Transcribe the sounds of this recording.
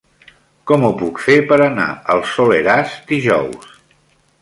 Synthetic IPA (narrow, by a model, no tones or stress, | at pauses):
kɔmupukfepəɾəna̰əlˠsoleɾazd̪iʒɔws